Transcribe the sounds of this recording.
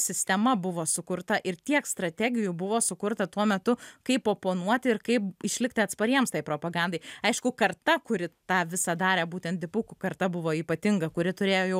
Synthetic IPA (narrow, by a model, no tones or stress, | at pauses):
sʲɪsʲt̪ʲɛmɐbʊʋoːsʊkʊrt̪ɐʔɪrt̪ʲiɛkst̪ɾɐt̪ʲæɡʲɪjʊbʊʋoːsʊkʊrt̪ɐt̪uɔmʲɛt̪ʊkɐɪpoːpoːnuɔt̪ʲɪɪɾkɐɪpɪʃʲlʲɪktʲɪɐt̪spɐɾʲiɛmst̪ɐɪpɾoːpɐɡɑnd̪ɐɪɐɪʃkʊkɐrt̪ɐkʊɾʲɪt̪ɑːʋʲɪsɐd̪ɑːɾʲɛːbuːt̪ʲɛnt̪d̪ʲɪpʊkʊkɐrt̪ɐbʊʋoːiːpɐt̪ʲɪŋɡɐkʊɾʲɪt̪ʊɾʲeːjoːjɛʊ